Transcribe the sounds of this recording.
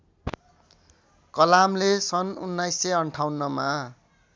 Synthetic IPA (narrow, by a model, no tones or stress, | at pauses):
kʌlamlesʌnunːajsːʌjʌɳʈʰawnːʌma